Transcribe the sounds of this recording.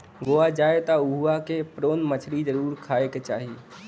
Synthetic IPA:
ɡoːad͡ʒaːet̪aʊɦuakepɾoːnmət͡ʃʰɾid͡ʒəɾuːɾkʰaːeket͡ʃaːɦi

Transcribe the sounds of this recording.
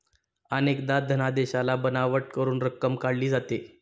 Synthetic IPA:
ənekd̪ad̪ʱənad̪eɕalabənaʋəʈ̚kəɾuːnɾəkːəmkaɽliːd͡zat̪e

